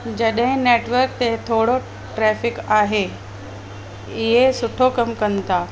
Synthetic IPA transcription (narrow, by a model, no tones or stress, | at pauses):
d͡ʑəɗɦẽneʈʋəɾk̚t̪eɦt̪ʰoɽo | ʈɾɛfɪkaːɦe | iɦesʊʈʰokəmkənt̪a